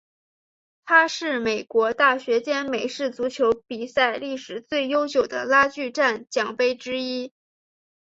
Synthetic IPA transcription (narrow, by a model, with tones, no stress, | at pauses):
t̪ʰa˥ʂɻ̩˥˩me˨˩ɪkwɔ˧˥t̪a˥˩ɕɥɛ˧˥t͡ɕjɛ˥nme˨˩ɪʂɻ̩˥˩t͡su˧˥t͡ɕʰjo˧˥ʊpi˨˩sa˥˧ɪli˥˩ʂɻ̩˨˩t͡swe˥˩ɪjo˥ʊt͡ɕjo˨˩ʊd̪ə˦la˥t͡ɕy˥˧ʈ͡ʂa˥˩nt͡ɕjɑ˨˩ŋpe˥ɪʈ͡ʂɻ̩˥i˥